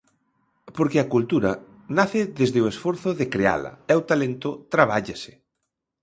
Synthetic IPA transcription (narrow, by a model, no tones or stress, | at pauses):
poɾkɪakult̪uɾɐ̰ | naθɪðezðɪoesfoɾθʊðekɾea̰lɐ̰ɛwt̪alent̪ʊt̪ɾaβaʎasɪ̥